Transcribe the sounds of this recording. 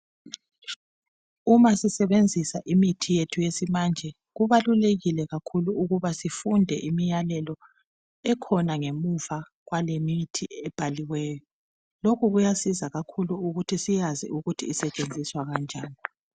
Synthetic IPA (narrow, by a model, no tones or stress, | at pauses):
umasisɛβend͡zʱisa̰ʔimitʰijetʰujesimand͡ʒʱɛ | ɣuβaluleɣilɛɣakʰuluuɣuβasifundʱɛ̰ʔimijalɛlɔ | ɛkʰɔnaŋemufa | ɣwalemitʰiɛb̥ʱaliwɛːjɔ | lokuɣujasizaɣakʰuluuɣutʰisijazḭʔuɣutʰiːsɛt͡ʃʼend͡zʱiswaɣand͡ʒʱaːni